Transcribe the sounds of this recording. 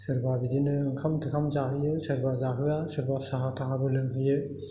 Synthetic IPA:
sɯɾbabidinɯŋkʰamtʰɯkʰamzahɯjɯsɯɾbazaɦɯasɯɾbasaɦatʰaɦabɯlɯŋɦɯjɯ

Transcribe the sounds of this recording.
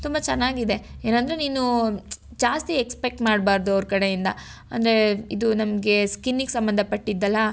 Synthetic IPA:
t̪umbɐt͡ʃɛnːaːɡid̪e̞eːnɐnd̪ɾeniːnu | d͡ʒaːst̪iekspek̚ʈmaːɽbaːɾd̪uɐʋɾkɐɽe̞jind̪ɐ | ɐ̰nd̪ɐɾe̞id̪unɐmɐɡe̞skinːiɡsɐmbɐnd̪ʱɐpɐʈːid̪ːɐlːɐ

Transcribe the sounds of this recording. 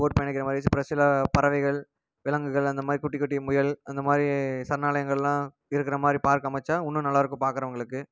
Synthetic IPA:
oːʈ̚pɐjɐɳɐkːɪɾɐmaːd̪ɾispɪɾɐsɪlɐpɐɾɐʋɐɪɣɐɭ | ʋɪlɐŋɡɯɣɐɭɐnd̪ɐmaːd̪ɾikʊʈːɪkːɐʈːijmʊjɐlɐnd̪ɐmaːd̪ɾisɐɾnːaːlɐjɐŋɡɐɭɛlːãː | ɪɾɯkːɪɾɐmaːd̪ɾipaːɾkɯɐmɐt͡ʃːaːʊnːɯnɐlːaːɐɾɯkːɯ̃paːɾkɪɾɐʋɐŋɡɐɭɯkːɯ

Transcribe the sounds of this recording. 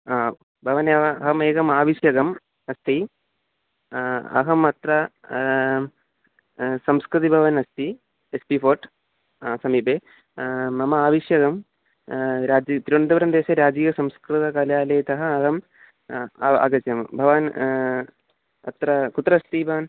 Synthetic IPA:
aː | bʱɐʋɐneʋɐɦɐmeːɡɐmaːʋiʂjɐɡɐm | ɐst̪i | ɐ̰ɦɐmɐt̪ɾɐ | sɐmskɾɨt̪ibʱɐʋɐnɐst̪i | espiːpʰoːɾʈ | sɐmiːbeː | ɐmɐaːʋiʂjɐɡɐm | ɾaːd͡ʒit̪ɾiuɳd̪ɐʋɾɐmd̪eːʃɐɾaːd͡ʒiːjɐsɐmskɾut̪ɐkaːljaːlɐjt̪ɐɦɐɐɦɐmː | ɐ̰ɡɐt͡ʃjɐmbʱɐʋaːn | ɐ̰t̪ɾɐkut̪ːɾɐst̪ibʱɐʋɐn

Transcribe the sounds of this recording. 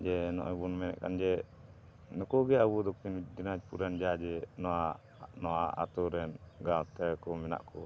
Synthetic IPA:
d͡ʒɛnɔ̰ʔɔbɔnmɛnɛ̰ʔka̰nd͡ʒɛ | nɔkɔɡɛabɔd̪ɔkind͡ʒinad͡ʒpuɾand͡ʒad͡ʒɛnɔa | nɔaʔa̰t̪ɔɾɛnɡawt̪ɛkɔmɛna̰ʔkɔ

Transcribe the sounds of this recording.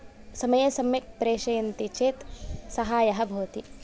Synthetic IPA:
sɐmɐjɐsɐmjɐk̚pɾeːʃɐjɐnt̪it͡ʃeːt̪sɐɦaːjɐɦɐ̆bʱɐːɐt̪i

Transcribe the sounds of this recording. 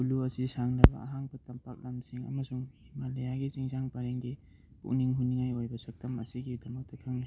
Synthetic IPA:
uluɐsisaŋnɐbɐ̰a̰ɦaŋbɐtɐmpak̚lɐmsiŋɐ̰mɐsuŋhimalɐjaɡit͡ʃiŋsaŋpaɾeŋdi | pṵk̚niŋɦuniŋajojbɐsɐk̚tɐmɐ̰siɡidɐmɐk̚tɐkʰɐŋni

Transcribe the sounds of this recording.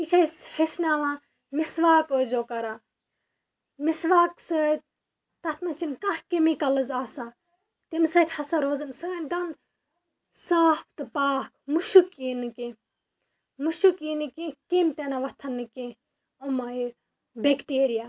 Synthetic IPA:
it͡ʃʰɐsheʃnaːʋã | misʋaːkoːzoːkɐɾa | misʋaːksɐt̪̚ʲ | t̪ɐt̪ʰmɐt͡ʃʰinkɐhkimikɐlɐzaːsa | t̪emsɐt̪ʰʲhɐsɐɾoːzɨnsɨnʲd̪ɐn | saːp̚ʰt̪ɨpaːkmuʃukinɨkĩ | muʃukinɨkĩkimt̪enaʋɐt̪ʰɐnːɨkĩ | omɐi | bekʈeːɾija

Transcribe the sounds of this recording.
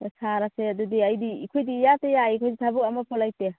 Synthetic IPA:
saɾasedudiajdiːkʰɔjdiːjatejaikʰɔjditʰabuk̚amapʰɔlajte

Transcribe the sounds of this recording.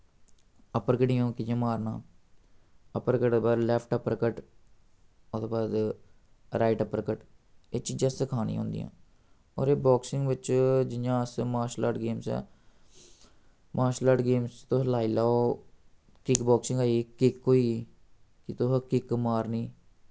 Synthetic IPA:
əpəɾkəɖijõːkɪãːmaːɾnã̰ː | əpəɾkəʈːbaːd̪lɛːpʰʈəpəɾkəʈ | ʊd̪eːbaːd̪ | ɾaːiʈəpəɾkəʈeːt͡ʃiːd͡ʒãːsɪkʰaːnḭːɦõ̰ːnd̪ḭjã̰ː | ɔ̰ːɾeːbɔːksɪŋɡʋɪt͡ʃd͡ʒɪjãːəsmaːʃla̰ːʈɡeːmsɛ̰ː | mʔaːʃlaːʈɡeːmst̪õːɦlaːiːlaːoː | kɪkbɔːksɪ̃ŋɡaːikɪkːoːiː | kɪt̪oɦkɪkːmaːɾniː

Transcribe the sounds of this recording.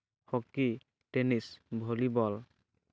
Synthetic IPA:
xɔkːi | tenisbʱolibɔl

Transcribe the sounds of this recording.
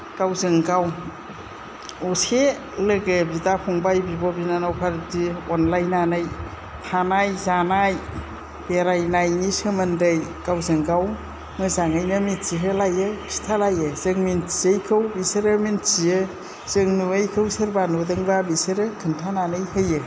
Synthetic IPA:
ɡ̥awzɯŋɡaw | use | lɯɡɯbidapʰɔŋbajbibɔbinanawpʰaɾtiɔnlajnanaj | tʰanajzanaj | b̥eɾajnajnisɯmɯndɯjɡawzɯŋɡaw | mɯzaŋajnɯmitt͡ʃiɦɯlajɯkʰi̥tʰalajɯzɯŋmint͡ʃiejkʰɯwbisɯɾɯmint͡ʃiɯ | z̥ɯŋnuejkʰɯwsɯɾbanudɯŋbabisɯɾɯkʰɯntʰananɯjhɯjɯ

